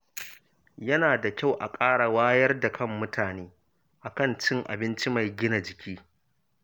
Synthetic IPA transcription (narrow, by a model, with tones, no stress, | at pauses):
jɐ˦naː˨da˨kʲa˦˨wʔa˨kʼaː˦ɽa˨waː˦jɐ˦rda˨kʰɐ˦mːʊ˦tʰaː˨neː˦ | ʔa˨kɐ˦nt͡ʃɪ˦ŋʔa̰˨bɪ˦nt͡ʃi˦ma˨jɡʲɪ˦na˨d͡ʒɪ˨kʲʰiː˦